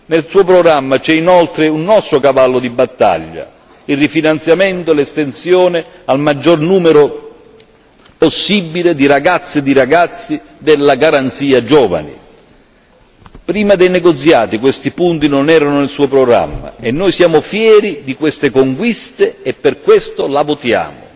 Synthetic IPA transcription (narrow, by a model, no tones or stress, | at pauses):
nelsuːopɾoɡɾamːat͡ʃɛinɔlt̪ɾɪunːɔst̪ɾokavalːʊd̪ibat̪ːa̰ʎːa̰ | ilrːifinant̪sjament̪olɛst̪ensjɔːnɪalmad͡ʒːɔrnuːmeɾo | posːibːiled̪iɾaɡat̪sːed̪iɾaɡat̪sːi | d̪ɛlːaɡaɾant̪siːad͡ʒɔːva̰nḭ | pɾiːmad̪ejnɛɡot̪sjaːt̪ikwest̪ipunt̪inonɛːɾanʊnelsuːopɾoɡɾa̰mːa̰ɛnːojsjaːmʊfjɛːɾid̪ikwest̪ekoŋkwist̪eɛpːerkwest̪olavot̪ja̰ːmʊ̰